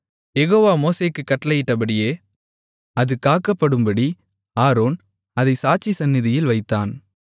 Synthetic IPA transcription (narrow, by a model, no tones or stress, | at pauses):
jɛɣoːʋaːmoːseːkːɯkːɐʈːɐlɐjɪʈːɐpɐɽɪjeː | ɐðɯkaːkːɐpːɐɽɯmbɐɽi | aːɾoːn | ɐðɐɪsaːt͡ʃːisɐnːɪðɪjɪlʋɐɪt̪ːaːn